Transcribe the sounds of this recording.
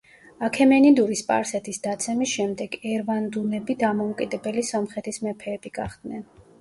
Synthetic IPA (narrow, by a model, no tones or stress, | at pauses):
akʰɛmɛnid̪uɾispʼa̰ɾsɛt̪ʰisd̪at̪sʰɛmisʃɛmd̪ɛɡɛɾvand̪unɛbid̪amɔukʼid̪ɛbɛlisɔmχɛt̪ʰismɛpʰɛːb̥iɡ̥aχd̪̥nɛn